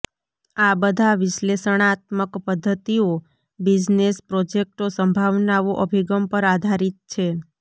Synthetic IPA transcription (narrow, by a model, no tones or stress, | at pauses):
abəd̪ʱaʋɪʃlesəɳ̃at̪məkpəd̪ʱːət̪io | bid͡ʒnespɾod͡ʒek̚ʈosəmbʱaʋnaʋoʔəbʱiɡəmpəɾad̪ʱaɾit̪̚t͡ʃʰe